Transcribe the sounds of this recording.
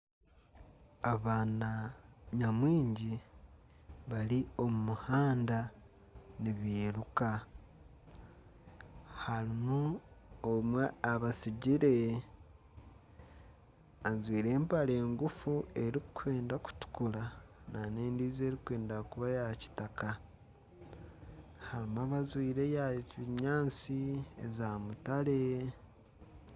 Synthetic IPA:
aβaːnaɲamwiːɲɟi | βalio̞mumuhaːnda | niβeːɾuka | haɾimuomweaβasiɟiɾe̞ | azwiːɾe̞ːmpale̞ːŋɡufue̞ɾikʰwe̞ːndaku̥tu̥kulanane̞ːndiːze̞ːɾikwe̞ːndakuβajaci̥taka | haɾimuaβazwiːɾe̞jaiɲaːt͡siḛzamutale̞

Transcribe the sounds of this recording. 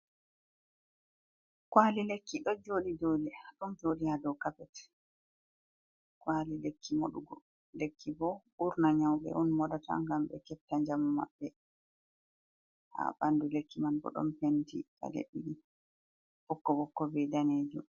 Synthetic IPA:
kwalilekːiɗɔd͡ʒoɗid͡ʒodiɗɔnd͡ʒodihadɔkapɛt | kwalilekʰːimɔ̰ɗuɡɔ | lekːibɔ | uɾnaɲawɓɛ̰ʔunmɔdata̰ŋɡamɓɛ̰kɛp̚tːaɲd͡ʒamɔma̰ɓːɛ | ha̰bandulekːimankɔ̰ɗɔ̰mpentḭka̰lḛɓini | bɔkːɔbɔkːɔbɛdaned͡ʒum

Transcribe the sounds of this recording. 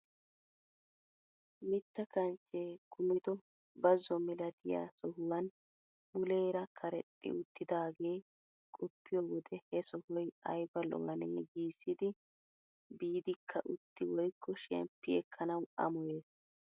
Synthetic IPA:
mɪt̪ːɐkɐnt͡ʃːeːkʊmɪd̪ɔ | bɐzɔmɪlɐd̪ɪjɐ̰sɔhʊwɐn | bʊleːɾɐkʰɐɾɛt̪ʼːɪ̰ʊt̪ʰːɪd̪aːɡe̞ː | kʼɔpːɪjɔwɔd̪ɛhɛsɔhɔjɐ̰jbɐlɔ̰wɐnḛːɡiːsːɪd̪ɪ | biːd̪ɪkʰːɐʔʊt̪ʰːɪwɔjkʰːɔʃɛ̰mpːɪɛkʰːɐnɐwɐ̰mɔjeːs

